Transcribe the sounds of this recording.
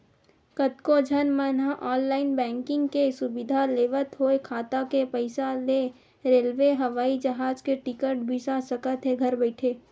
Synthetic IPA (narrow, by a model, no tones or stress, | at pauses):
kət̪kod͡ʒʱənmənɦãʔɔːnlaːɪnbɛ̃ːŋkɪ̃ŋɡkesʊbɪd̪ʱaleːʋət̪ɦoːekʰaːt̪akepəɪsale | ɾeːlʋeɦɐʋaːid͡ʒɐɦaːd͡ʒkeʈɪkəɾʈbʱisasəkət̪ɦeɡʱɐɾbɛɪʈʰeː